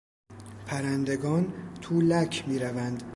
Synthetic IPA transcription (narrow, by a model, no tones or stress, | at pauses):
pʰæɾænd̪e̞ɡɒːnt̪ʰuːlæcʰmiːɾævænd̪